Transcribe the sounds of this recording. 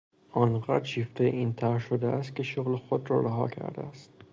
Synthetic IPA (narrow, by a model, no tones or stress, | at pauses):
ʔɒːnɢæd̪ɾʃiːft̪ʰejeʔiːnt̪ʰæɾʃod̪eæst̪̚cʲe̞ʃoɣlexod̪ɾɒːɾæɦɒ̰ːcʰæ̰ɾd̪ḛæst̪